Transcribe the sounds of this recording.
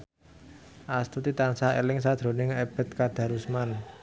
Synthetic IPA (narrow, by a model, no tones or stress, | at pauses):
ʔast̪ut̪it̪ansaḛlɪŋsad̪̥ɾo̤nɪŋeb̥ə̤t̪̚kad̪̥ä̤ɾusman